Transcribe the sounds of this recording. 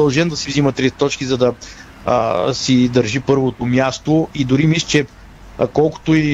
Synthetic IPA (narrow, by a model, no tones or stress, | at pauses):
ɐlˠʒɛnd̪ɐsivzimət̪ɾɛt̪t̪ɔt͡ʃkʲizɐd̪ɐ̰ | sid̪ɐɾʒipɤɾvot̪omjast̪oid̪ʊɾimist͡ʃɛ | kɔlˠko̥t̪ʊi